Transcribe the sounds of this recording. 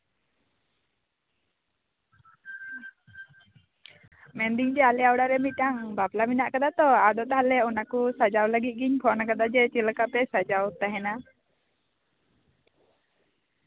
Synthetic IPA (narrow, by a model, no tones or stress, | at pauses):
mɛnd̪iŋd͡ʒɛalɛawɽaɾɛmiʈaŋbaplaminaʔkad̪at̪ɔad̪ɔt̪aɦalɛunakusad͡ʒawləɡit̪̚ɡiɲkʰɔʔnakad̪ad͡ʒɛt͡ʃilkapɛsad͡ʒawt̪aɦɛna